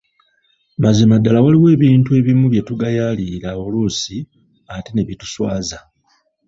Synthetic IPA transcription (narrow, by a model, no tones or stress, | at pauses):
mazimadːalawaliwe̞ːβiːntue̞βimuβje̞tuɡajaliɾaolusi | atene̞βitu̥swaːza